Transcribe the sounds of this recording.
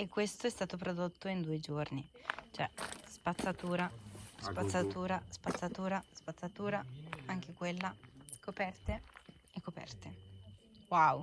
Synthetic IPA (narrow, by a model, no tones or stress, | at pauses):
ekːwest̪oɛst̪aːt̪op̬ɾod̪ot̪ːoind̪uːed͡ʒornit͡ʃoɛ̰spat̪sːat̪uːɾaspat̪sːat̪uːɾaspat̪sːat̪uːɾaspat̪sːat̪uːɾaaŋk̟ekwelːakopɛrt̪e | ekːopɛ̰rt̪e | waw